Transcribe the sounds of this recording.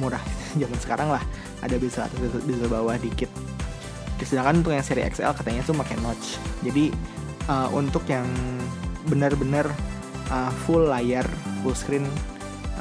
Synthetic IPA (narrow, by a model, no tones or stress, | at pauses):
muɾahd͡ʒamansə̥kaɾaŋlah | ʔa̰dabisaa̰tbizalbawahdikɪt̪̚ | d͡ʒdisədaŋkanunt̪ʊkjaŋseɾiɛ̰ksɛ̰lkat̪aɲat̪ʊmakajnɔt͡ʃd͡ʒadi | əʔunt̪ʊkjaŋ | bənərbənər | ʔəfulːajərfulskɾɪn